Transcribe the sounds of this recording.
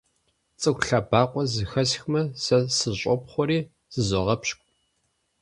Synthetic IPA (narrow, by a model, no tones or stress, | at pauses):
t͡sʼɨkʷɬabaːqʷʼɔzɨxɐsxmɐsɐsɨɕʼɔpχʷɔɾiː | z̥ɨzɔʁɐpɕkʷʼ